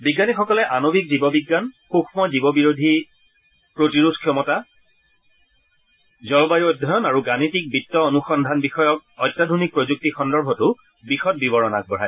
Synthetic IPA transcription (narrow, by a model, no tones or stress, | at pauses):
biɡːanixɔkɔlɛʔanobikzibɔbiɡːanxuxʰmɔzibɔbiɹodʱi | pɹotiɹudʱkʰjɔmɔta | zɔɹbajodʱɔjɔnaɹuɡanitik̚bitːɔonuxɔndʱanbixɔjɔk̚ɔjtːadʱonik̚pɹozuk̚tixɔndɔɹbʱɔtʊ | bixɔt̚bibɔɹɔna̰k̚bɔɹaj